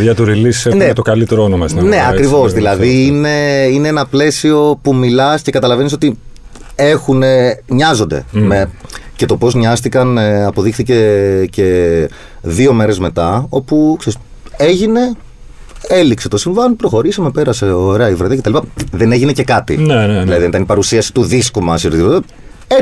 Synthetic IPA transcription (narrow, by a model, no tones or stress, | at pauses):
jɐt̪uɾilisseneet̪okɐlit̪eɾoonomɐsinɐne̞ɐkɾivo̞sðilɐðiine̞ine̞enɐple̞sio̞pumilɐsce̞kɐt̪ɐlɐve̞niso̞t̪i | e̞xune̞ɲɐzo̞nd̪e̞̰mece̞t̪o̞po̞zɲɐst̪ikɐneɐpo̞ðixθice̞ce̞ | ðio̞me̞ɾe̞zme̞t̪ɐo̞pukseɾis | e̞ʝine̞ | elikset̪o̞siɱvɐnipɾo̞xo̞ɾisɐme̞pe̞ɾɐseoɾe̞ɐivɾɐðiɐcetɐlipɐðene̞ʝine̞ce̞kɐt̪ḭðnilɐðiðenit̪ɐnipɐɾusiɐsi̥t̪uðiskumɐsoɾt̪it̪ipot̪e | e